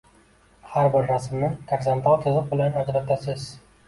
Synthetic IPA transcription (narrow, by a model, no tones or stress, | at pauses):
haɾbɪɾːasmnɪt̪ʰeɡzent̪ʰɑlˠt̪ʲʰɨzɨq̚bɪlanad̪ɾat̪ʰːasɪz